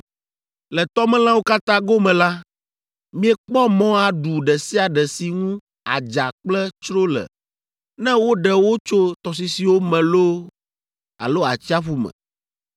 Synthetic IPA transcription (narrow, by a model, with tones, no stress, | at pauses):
lɛ˨t̪ɔ˦mɛ̃˦lã˦wo˦ka˦t̪ã˦ɡo˦mɛ̃˨la˦ | mĩ˦ɛ˦k͡pɔ˦mɔ̃˦a˨ɖu˨ɖɛ˨si˦a˨ɖɛ˨si˨ŋũ˦ | a̰˨d͡ʒa˨k͡plɛ˦t͡ʃɾo˦lɛ̰˨ | nɛ̃˦wo˦ɖɛ˨wo˦t͡ʃo˦t̪ɔ˨s̬i˨si˨wo˦mɛ̃˨lo˦ | a̰˨lo˦a̰˨t͡ɕi˦a˦ɸu˦mɛ̰̃˨